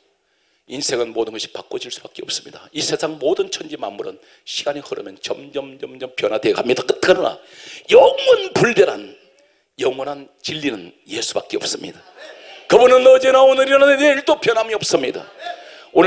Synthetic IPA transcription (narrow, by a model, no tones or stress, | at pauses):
insʰeɡɯnmodɯnɡʌɕʰi̥pak͈wʌd͡ʑiɭs͈u̥b̥ak͈eʌp̚s͈ɯ̥mɲidaisʰe̞sʰaŋmoːdɯnt͡ɕʰʌnd͡ʑima̰mːuɾɯ̰n | ɕʰiɡ̥aɲihɯɾʌ̰mjʌnt͡ɕʌmd͡ʑʌmd͡ʑʌmd͡ʑʌmpjʌnɦadeɡɦamɲidak͈ɯt̚ɡʰanɯna̰jʌŋwʌnpuɭdeɾan | jʌŋwʌnan | t͡ɕiʎːinɯn | je̞sʰu̥bak͈e̞ʌp̚s͈ɯmɲḭda | kɯbunɯnːʌd͡ʑenaonɯɾiʌnanneiɭt͈opjʌnɦamiʌp̚s͈ɯmɲida̰ | onɯ